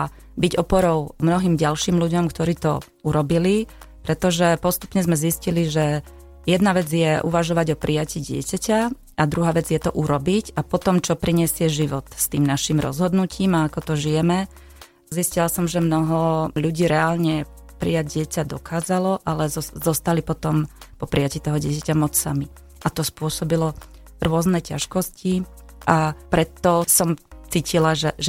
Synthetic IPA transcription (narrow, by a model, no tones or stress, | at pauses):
biɟɔpɔɾɔʊmnɔɦiːmɟalʃiːmʎuɟɔmkt̪ɔɾiːt̪ɔ̰ | uɾɔbili | pɾɛt̪ɔʒɛpɔst̪u̥pɲɛzmɛzisciliʒɛ | jɛd̪naʋɛd͡zɪjɛʔuʋaʒɔʋaɟɔpɾʔijaciːɟɪɛ̰caca | ad̪ɾuɦaːʋɛd͡zjɛt̪ɔʔuɾɔbicapɔt̪ɔmt͡ʃɔpɾiɲɪɛsɪɛʒiʋɔt̪st̪iːmnaʃiːmɾɔ̰zɦɔd̪nucʰiːmaːkɔt̪ɔʒijɛmɛ | ziscilasɔmʒɛmnɔɦɔʎuɟiːɾɛalɲɛ | pɾḭjaɟɟɪɛcad̪ɔkʰaːzalɔʔalɛzɔzɔst̪alipɔt̪ɔmpɔpɾɪjaciːt̪ɔɦɔɟɪɛcacamɔt͡ssa̰mi | ʔat̪ɔspʊɔsɔbilɔ | ɾʊɔznɛca̰ʃkɔsci | ʔapɾɛt̪ːɔsɔmt͡siːcilaʒɛʒ